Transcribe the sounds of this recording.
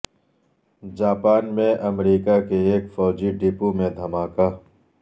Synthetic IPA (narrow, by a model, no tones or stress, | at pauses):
d͡ʒaːpaːnmẽʔɐmɾiːkakeeːkfɔːd͡ʒiɖipumẽd̪ʱɐmaːkaː